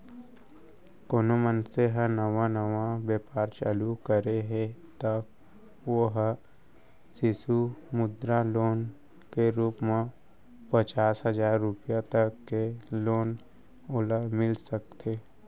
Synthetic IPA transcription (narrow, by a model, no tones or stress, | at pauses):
koːnomənseɦənəʋanəʋãbeːpaːɾt͡ʃa̰ːlukəɾeɦet̪ə | oɦ | sɪsumʊd̪ɾaloːn | keɾuːpmẽ | pət͡ʃaːsɦəd͡ʒaːɾːʊpijat̪əkːeloːn | oləmɪlsəkt̪ʰeː